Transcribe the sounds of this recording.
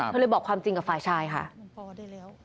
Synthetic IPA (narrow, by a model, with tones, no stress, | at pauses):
a˧ɤː˧jbɔː˨˩kʰwaː˧mt͡ɕi˧ŋka˨˩faː˨˩jt͡ɕʰaː˧jkʰa̰˦˥ʔ